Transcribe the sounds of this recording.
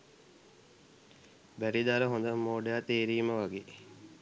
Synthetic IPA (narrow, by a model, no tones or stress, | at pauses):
bæɾid̪aɾəɦond̪əmːoːɖejat̪eːɾiːməʋaɡeː